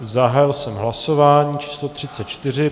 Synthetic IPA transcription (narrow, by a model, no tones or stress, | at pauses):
zaɦaːjɪlsɛmɦlaso̞vaːɲiːt͡ʃi̥ːslot̪r̝̥ɪt͡sɛt̪t͡ʃt̪ɪr̝ɪ